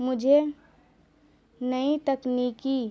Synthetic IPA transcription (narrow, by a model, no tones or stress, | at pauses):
mʊd͡ʒʱe | nəit̪əkniki